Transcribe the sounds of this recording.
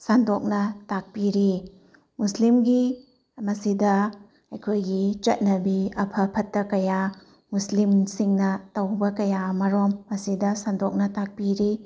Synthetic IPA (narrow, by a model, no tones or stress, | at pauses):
sandok̚nɐtak̚piɾi | muslimɡi | mɐsidɐ | ɐjkʰojɡit͡ʃɐt̚nɐbiɐpʰɐpʰɐtːɐkɐja | muslimsiŋnɐtɐwbɐkɐjamɐɾomːɐsidɐsandok̚nɐtak̚piɾi